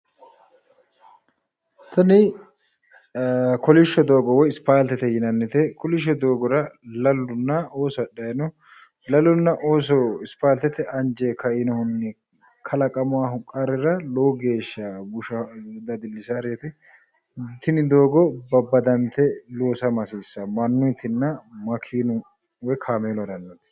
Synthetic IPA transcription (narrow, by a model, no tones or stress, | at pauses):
t̪ʰɐnɪ | kɔlɪʃːɔd̪oːɡɔwɔjɪspaːlt̪ɛt̪ɛjɪnɐnːɪt̪ɛkɔlɪʃ̬ːɔd̪o̞ːɡɔɾɐlɐlːʊnːɐoːsɐɗɐjɐnɔ | lɐlːʊnːɐʔoːsɔɪspaːlt̪ɛt̪ɛʔɐnd͡ʒeːkʰɐɪnɔhʊnːɛ | kʰɐlɐkʼɐmʊwaːhʊkʼːaɾɛɾɐlowɡe̞ːʃːɐbʊʃɐd̪ɐd̪ɪlːɪsaːɾet̪ɪ | t̪ɪnɪd̪oːɡɔbɐbːɐd̪ɐnt̪ːɛloːsɐmɐsiːsːɐmɐnːʊjt̪ɪnːɐmɐkʰiːnʊ | wɔjkʰaːmeːlɐd̪ɐnːɐt̪ɛ̥